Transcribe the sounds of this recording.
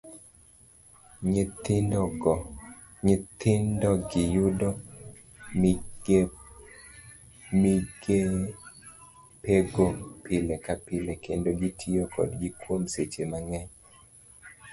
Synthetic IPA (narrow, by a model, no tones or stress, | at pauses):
t | ɲit̪ɪndɔɡɪjʊdɔ | ɡe | miɡe | peɡopʰɪlekapɪlekendoɡitʰiokʰɔ̰dɡikwomset͡ʃemaŋɛɲ